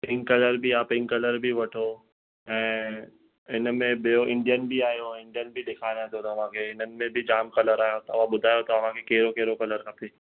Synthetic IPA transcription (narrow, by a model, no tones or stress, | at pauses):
pɪ̃ŋkɐləɾbʱiaːpɪ̃ŋkɐləɾbʱiʋɐʈʰo | ɛ̃ː | ɪnmẽbijoʔɪ̃ɳɖijənbʱiaːɦijoɪ̃ɳɖijənbʱiɗɪkʰaːɾiãt̪ʰjot̪ɐɐʋ̤ãkʰeːɪnənɪ̆mẽbʱɪd͡ʑaːmkɐləɾaːɦjot̪ɐʋãɓʊd̪ʱaːjot̪ɐɐʋ̤ãkʰekeːɾokeɦɾokɐləɾkapeː